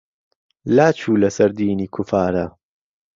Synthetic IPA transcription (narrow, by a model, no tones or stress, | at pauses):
laːt͡ʃʰuːlɐsɐɾd̪iːniːkʰʊfaːɾɐ